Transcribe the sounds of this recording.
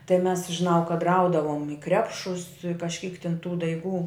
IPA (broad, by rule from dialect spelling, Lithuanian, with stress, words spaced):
tɐɪ mʲɛs ʒʲɪˈnɐʊ kɐt ˈrɐʊdɐʋoːm ɪ ˈkrʲæːpʃʊs kɐʃʲˈkʲiːk tʲɪn tuː dɐɪˈɡuː